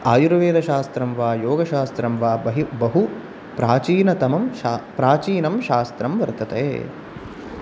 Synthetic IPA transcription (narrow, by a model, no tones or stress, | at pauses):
aːjuɾɐʋeːd̪ɐʃaːst̪ɾɐmʋaːjoːɡɐʃaːst̪ɾɐmʋaːbɐɦibɐɦu | pɾaːt͡ʃiːnɐt̪ɐmɐmpɾaːt͡ʃiːnɐmʃaːst̪ɾɐmʋɐɾt̪ɐt̪ḛː